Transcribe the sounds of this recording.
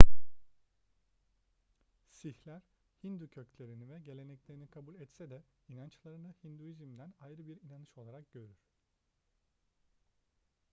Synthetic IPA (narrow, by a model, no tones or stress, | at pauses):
siçlʲæɾ̥ | hind̪ucʰø̞clʲe̞ɾinivɛɟe̞lʲe̞nɛclʲe̞ɾinikʰabulʲɛt̪sɛd̪ɛinant͡ʃlˠaɾɯnɯhind̪uizimd̪ænajɾɯbiɾinanɯʃo̞lˠaɾak̚ɟ̥ø̞ɾyɾ̥